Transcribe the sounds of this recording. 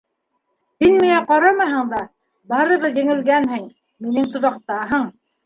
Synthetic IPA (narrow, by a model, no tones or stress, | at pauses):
hinmiŋæqɑɾɑmɑɦɤɴd̪ɑ | bɑɾɤ̆ðɤjɘ̆ŋɘ̆lɡænɦɘŋ | minɘŋt̪ŏðɑq̚t̪ɑɦɤɴ